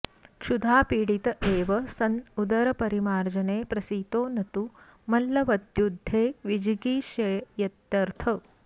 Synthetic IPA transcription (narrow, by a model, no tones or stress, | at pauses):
kʂud̪ʱaːpiːɽit̪ɐʔeːʋɐsɐnud̪ɐɾɐpɐɾimaːɾd͡ʒɐneːpɾɐsiːt̪oːnɐt̪u | mɐlːɐʋɐd̪jud̪ʱːeːʋid͡ʒiɡiːʃɐjjɐt̪jɐɾt̪ʰɐ